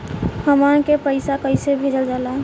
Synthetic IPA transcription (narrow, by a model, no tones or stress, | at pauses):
həmankepəɪsakəɪsebʱed͡ʒəld͡ʒalaɦ